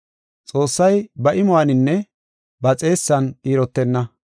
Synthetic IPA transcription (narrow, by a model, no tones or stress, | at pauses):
t͡sʼo̞ːsːɐjbɐʔɪmʊwanɪnːɛ | bɐt͡sʼe̞ːsːɐniːɾɔt̪ːɛnːɐ